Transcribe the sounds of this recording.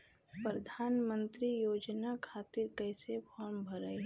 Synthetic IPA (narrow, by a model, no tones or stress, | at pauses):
pɾəd̪ʱaːnmə̃nt̪ɾijoːd͡ʒnakʰaːt̪ɪɾkɛːsepʰɔːɾmbʱəɾəi